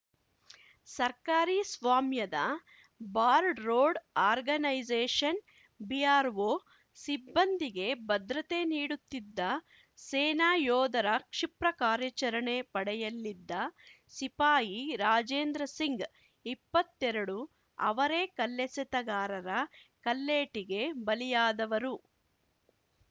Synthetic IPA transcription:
sɐɾkaːɾiːsʋaːmjɐd̪ɐ | baːɾɖɾoːɖaːɾɡɐnɐjd͡ʒeːʂɐn | bijaːɾʋoː | sibːɐnd̪iɡe̞bɐd̪ɾɐt̪e̞niːɽut̪ːid̪ːɐ | seːnaːjɔːd̪ɐɾɐkʂipɾɐkaːɾjɐt͡ʃɐɾɐɳepɐɽɛjɐlːid̪ːɐ | sipaːjiɾaːd͡ʒeːnd̪ɾɐsiŋɡ | ipːɐt̪ːɛɾɐɽu | ɐ̰ʋɐɾeːkɐlːɛsɛt̪ɐɡaːɾɐɾɐkɐlːeːʈiɡe̞bɐlijaːd̪ɐʋɐɾu

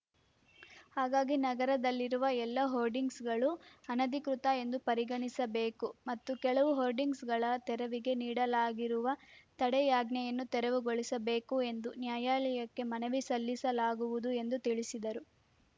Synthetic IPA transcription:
haːɡaːɡinɐɡɐɾɐd̪ɐlːiɾuʋɐɛlːɐɦoːɾɖiŋɡsɡɐɭuɐnɐd̪ikɾut̪ɐe̞nd̪upɐɾiɡɐɳisɐbe̞ːkumɐt̪ːukɛɭɐʋuɦoːɾɖiŋɡsɡɐɭɐt̪ɛɾɐʋiɡe̞niːɽɐlaːɡiɾuʋɐt̪ɐɽɛjaːɡnɛjɐnːut̪ɛɾɐʋuɡoɭisɐbe̞ːkue̞nd̪unjaːjaːlɛjɐkːe̞mɐnɐʋisɐlːisɐlaːɡuʋud̪ue̞nd̪ut̪iɭisid̪ɐɾu

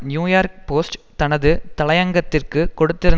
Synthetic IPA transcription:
njuːjaːrk̚po̞ːsʈt̪ɐnɐðɨt̪ɐɭɐjɐŋɡɐt̪ːɪrkɨkoɽut̪ːiɾɯ

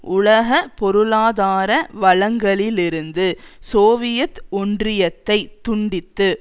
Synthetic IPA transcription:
ʊɭɐɣɐpɔɾɯlaːðaːɾɐʋɐɭɐŋɡɐɭɪlɪɾɯnd̪ɯsoːʋɪjɐt̪ɔɳdrɪjɐt̪ːɐɪt̪ːʊɳɖɪt̪ːɯ

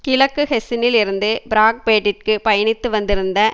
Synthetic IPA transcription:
kɪlɐkːɯhɛsɪnɪlɪɾɯnd̪ɯbɪɾaːk̚peːʈːɪʈ̚kɯpɐjɐɳɪt̪ːɯʋɐnd̪ɪɾɯnd̪ɐ

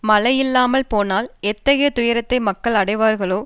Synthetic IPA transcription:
mɐlɐjɪlːaːmɐlpoːnaːlɛt̪ːɐɣɐjɐt̪ʊjɐɾɐt̪ːɐɪmɐkːɐɭɐɽɐɪʋaːɾɣɐɭoː

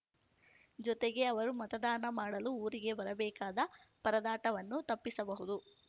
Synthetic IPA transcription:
d͡ʒɔt̪eɡe̞ɐʋɐɾumɐt̪ɐd̪aːnɐmaːɽɐluuːɾiɡe̞bɐɾɐbɛːkaːd̪ɐ | pɐɾɐd̪aːʈɐʋɐnːut̪ɐpːisɐbɐɦud̪u

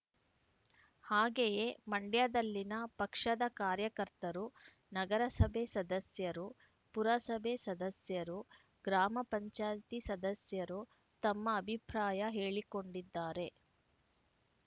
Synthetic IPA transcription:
haːɡejemɐɳɖjad̪ɐlːinɐpɐkʂɐd̪ɐkaːɾjɐkɐɾt̪ɐɾu | nɐɡɐɾɐsɐbʱesɐd̪ɐsjɐɾu | puɾɐsɐbʱesɐd̪ɐsjɐɾu | ɡɾaːmɐpɐɲt͡ʃaːjt̪isɐd̪ɐsjɐɾu | t̪ɐmːɐːbʱipɾaːjɐɦeːɭiko̞ɳɖid̪ːaːɾe̞

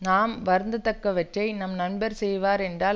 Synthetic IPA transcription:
naːmʋɐɾnd̪ɯt̪ɐkːɐʋɐʈrɐɪnɐmnɐnbɐɾsɛjʋaːɾɛndraː

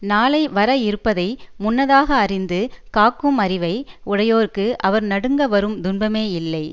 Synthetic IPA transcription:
naːlɐɪʋɐɾɐɪɾɯpːɐðɐɪmʊnːɐðaːɣɐːrɪnd̪ɯkaːkːɯmɐɾɪʋɐɪʔʊɽɐjoːɾɯkːɯʔɐʋɐɾnɐɽɯŋɡɐʋɐɾɯmd̪ʊnbɐmeːɪlːɐɪ

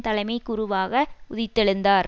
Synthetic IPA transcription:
t̪ɐlɐɪmɐɪkːʊɾʊʋaːɣɐʊðɪt̪ːɛɭɯnd̪aːɾ

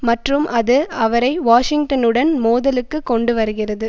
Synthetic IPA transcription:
mɐʈrɯmʔɐðɯɐʋɐɾɐɪʋaːʂɪŋʈɐnɯɽɐnmoːðɐlɯkːɯkːɔɳɖɯʋɐɾɯɣɪrɐðɯ

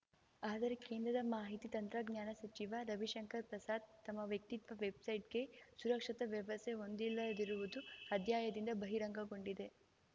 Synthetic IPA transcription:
aːd̪ɐɾe̞keːnd̪ɾɐd̪ɐmaːɦit̪it̪ɐnt̪ɾɐɡɲjaːnɐsɐt͡ʃiʋɐɾɐbʱiʃɐŋkɐɾpɾɐsaːd̪t̪ːɐmːɐʋjɐk̚t̪it̪ʋɐʋebsɐjʈ̚ɡesuɾɐkʂɐt̪ɐʋjɐʋɐseɦond̪ilːɐd̪iɾuʋud̪uɐd̪ʱjaːjɐd̪ind̪ɐbɐɦiɾɐŋɡɐɡo̞ɳɖid̪e̞

